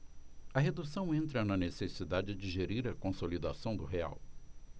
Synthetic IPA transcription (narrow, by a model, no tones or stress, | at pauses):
ɐɦed̪usɐ̃w̃ẽnt̪ɾɐnɐnesesid̪ad͡ʒɪd͡ʒɪʒeɾiɾɐkõsolid̪asɐ̃w̃d̪ʊɦea̰w